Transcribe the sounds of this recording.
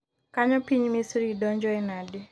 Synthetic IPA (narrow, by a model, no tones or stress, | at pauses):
kaɲɔpiɲmisɾidɔɲd͡ʒɔɛnadi